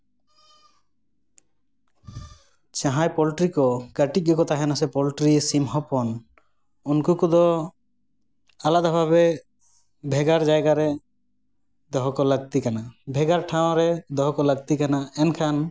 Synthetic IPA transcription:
t͡ʃaɦãjpɔlʈɾikɔkaʈik̚ːɔkɔt̪aɦɛnasɛpɔlʈɾisimɦɔpɔn | unkukud̪ɔ | alad̪abʱaβɛ | bʱɛɡaɾd͡ʒajɡaɾɛ | d̪ɔɦɔkɔlaɡ̚t̪ikanabʱɛɡaɾʈʰaw̃ɾɛd̪ɔɦɔkɔləɡt̪ikanaɛnkʰan

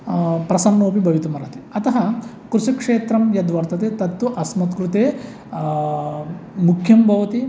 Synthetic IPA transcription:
pɾɐsɐnːoːpibʱɐʋit̪umɐɾɐt̪eɐt̪ɐɦɐ | kɾusikʂeːt̪ɾɐmjɐd̪ʋɐɾt̪ɐt̪eːt̪ɐt̪ːuʔɐsmɐt̪kɾut̪eː | mukʰjɐmbʱɐʋɐt̪i

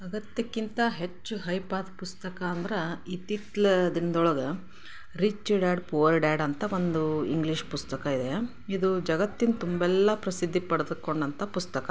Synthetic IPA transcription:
ɐɡɐt̪jɐkːint̪ɐɦe̞t͡ʃːuɦɐjpaːd̪pust̪ɐkɐːnd̪ɐɾeiːt̪it̪lɐd̪ind̪ɔɭɐɡɐ | ɾit͡ʃːiɖaːɖpuːʋɐɾɖaːɖɐnt̪ʰɐʋo̞nd̪uḭŋɡliʃpust̪ɐkɐid̪e | id̪ud͡ʒɐɡɐt̪ːint̪umbɛlːɐpɾɐsid̪ʱːipɐɽd̪ukːo̞ɳɖɐnt̪ʰɐpust̪ɐkɐ

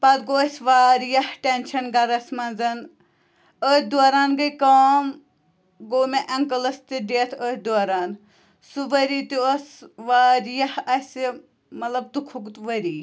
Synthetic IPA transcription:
pɐt̪ɡoːɐsʲʋaːɾjɐhʈenʃɐnɡɐɾɐsʲmɐnd͡zɐn | əːt̪ʲd̪oɾaːnɡɐkaːm | ɡoːmeʔɐŋkɐlɐst̪iɖeːt̪ʰəːt̪ʲd̪oːɾaːn | suʋɐɾiːt̪iɐsʋaːɾjɐhɐsʲ | mɐt̪lɐb̚t̪ukʰukt̪ʋɐɾiː

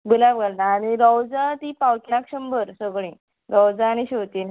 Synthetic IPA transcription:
bulabɡəlnaːɽ̃iɾɔwd͡zat̪ipawʈnakɕəmbəɾsəɡɭĩ | ɾɔwd͡zaːñiɕot̪iːn

